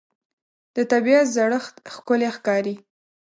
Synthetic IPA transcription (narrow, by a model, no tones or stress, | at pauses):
d̪̥ət̪abiat̪zaɽəxt̪xkʊlexkɑɾi